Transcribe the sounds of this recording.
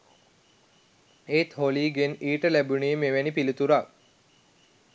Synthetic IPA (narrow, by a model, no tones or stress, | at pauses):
eːt̪hɦoliːɡeniːʈəlæbunijmeʋænipilit̪uɾak